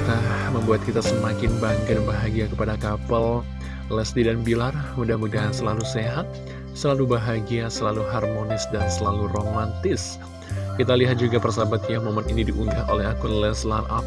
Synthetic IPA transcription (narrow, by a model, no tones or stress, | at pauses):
kt̪aməmbuat̪̚kit̪asəmakɪnbaŋɡadbaɦaɡiakəpadakapəl | lɛsdidanbilarmudahmudaɦsəlaluseɦat̪̚ | səlalubaɦaɡiasəlaluɦarmonɪsdansəlaluromant̪ɪs | kit̪aliɦat̪̚d͡ʒuɡapərsabat̪jamomaninidiʔuŋɡahʔolɛɦakʊnlɛslanʔap̚